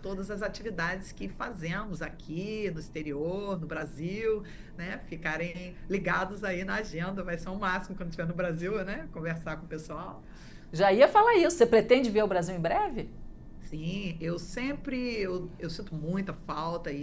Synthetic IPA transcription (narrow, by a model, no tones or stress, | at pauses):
t̪od̪ɐzɐzat͡ʃivid̪ad͡ʒɪskɪfazẽmʊzakʲʰinʊist̪eɾioɾnʊbɾaziw | nɛfikaɾẽliɡad̪ʊzainɐaʒẽnd̪ɐvajseɾʊ̃masimʊkɐ̃d̪ʊt͡ʃivɛnʊbɾaziwnɛkõveɾsaɾkõpesuaw | ʒaiɐfalaisʊ̥sepɾet̪ẽd͡ʒɪveɾʊbɾaziwẽj̃bɾɛvɪ | sĩewsẽpɾɪewewsĩnt̪ʊmũj̃t̪ɐfawt̪ɐi